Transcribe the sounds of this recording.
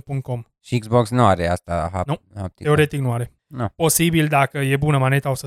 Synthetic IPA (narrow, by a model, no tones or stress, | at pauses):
puŋt̪̚ko̞m | ʃiiɡzboksnuaɾea̰st̪aɦa̰nuhap̚t̪ieo̞ɾe̞t̪iknuaɾe̞ | upo̞sibild̪akəje̞bunəmane̞t̪aosə